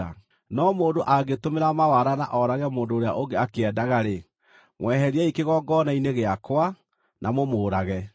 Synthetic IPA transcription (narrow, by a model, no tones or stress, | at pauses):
a̰ | nɔmoːndoʔaɡetomeɾamawaɾanaʔɔɾaɣɛmoːndoːɾea̰ʔoɡeakeɛdaɣaɾe | mwɛhɛɾiɛikeɣɔːɡɔnaineɣeakwa | nʔamomoːɾaɣɛ